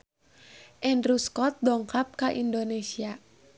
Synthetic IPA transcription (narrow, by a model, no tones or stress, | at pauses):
ʔɛnruskɔt̪̚dɔŋkap̚kaʔindonesia